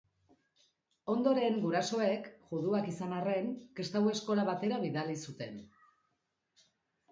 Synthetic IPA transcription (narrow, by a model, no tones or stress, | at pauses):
o̞nd̪o̞ɾe̞ŋɡuɾaso̞e̞kʝuðuakisanare̞ŋkest̪awe̞sko̞laβat̪e̞ɾaβiðalisut̪e̞n